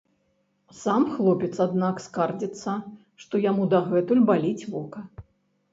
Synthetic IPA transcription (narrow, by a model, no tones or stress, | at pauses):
samxlˠɔpʲɛt̪sad̪nakskard͡zʲit̪sːɐ | ʂt̪ɔjamud̪aɣɛt̪ulʲbalʲit͡sʲvɔkɐ